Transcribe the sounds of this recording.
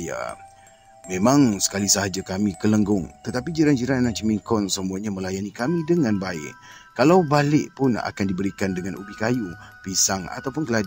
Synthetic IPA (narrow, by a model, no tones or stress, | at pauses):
ja̰ | mẽmãŋsə̥kalisaɦad͡ʒakamĩkələŋɡʊŋt̪ət̪apid͡ʒiɾand͡ʒiɾanːat͡ʃəmiŋkɔnsəmuaɲamə̃lajanikamĩdəŋãnbaɪ̰ʔ | kalawbalɪʔpʊna̰kandibəɾikandəŋãnʔṵbikajupisaŋa̰t̪awpʊnkəlad